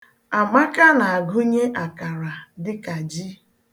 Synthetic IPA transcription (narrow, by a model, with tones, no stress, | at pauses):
a˨ma˦ka˦na˨a˨ɡʊ˦ɲe˦ʔa˨ka˨ɾa˨dɪ˦ka˨d͡ʒi˦